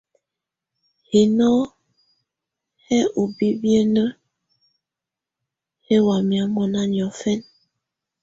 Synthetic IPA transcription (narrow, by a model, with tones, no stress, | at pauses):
he˨nɔ˦ | hɛ˦o˨bi˦bjə˦nə˦ | he˦wa˨mja˨mɔ˨na˦njɔ˨fɛ˦n